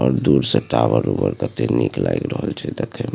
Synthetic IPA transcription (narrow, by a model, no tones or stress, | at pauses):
ɔːɾd̪uɾsep̚ʈabəɾupəɾkət̪eniklajkɾəɦəlt͡ʃʰɛd̪ekʰem